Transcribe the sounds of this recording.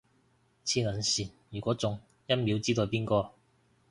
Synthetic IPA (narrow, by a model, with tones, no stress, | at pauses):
t͡sʰiː˧lɐ˨˩nsiː˨˩njyː˨˩kʷɔː˨˥t͡sʊ˨ŋ | jɐ˥nmi˨˥wt͡siː˥t̪o˨˧wpiː˥nkɔː˧